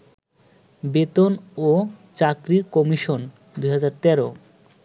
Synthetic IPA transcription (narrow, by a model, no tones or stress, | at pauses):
bet̪onot͡ɕakɾiɾkɔmiʃon | d̪ujɦad͡ʑaɾt̪ɛɾo